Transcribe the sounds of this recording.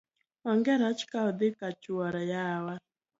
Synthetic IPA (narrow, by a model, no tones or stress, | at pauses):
waŋɡɛɾat͡ʃkaɔd̪ɪkat͡ʃuwaɾajawa